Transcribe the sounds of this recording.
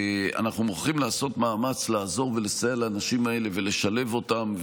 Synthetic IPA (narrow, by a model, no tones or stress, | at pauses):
a̰naχnumuχimlaːso̞tmaːmat͡slaːzo̞ʁve̞le̞sajelaːnaʃimae̞le̞ve̞le̞ʃale̞vo̞tamv